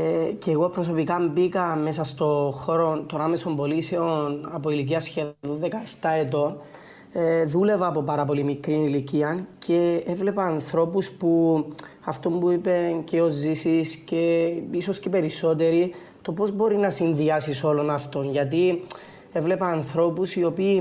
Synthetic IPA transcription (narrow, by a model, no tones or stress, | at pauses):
eceːɣo̞pɾoso̞pikɐmbikɐme̞sɐst̪o̞xo̞ɾont̪oname̞so̞mbo̞liseo̞nɐpo̞ilic̬iɐsçeuðekɐeft̪ɐe̞t̪̬o̞n | ðule̞vɐːpo̞pɐɾɐpo̞limikɾiniliciɐncʰe̞evle̞pɐːnθɾo̞puspu | ɐft̪o̞mbuipe̞nceo̞zːisisce̞isoscepe̞ɾisːo̞t̪̬e̞ɾi | t̪o̞po̞zbo̞ɾinɐsinðiɐsiso̞lo̞nɐft̪o̞nʝɐt̪̬i | e̞vle̞pɐːnθɾo̞pusio̞piː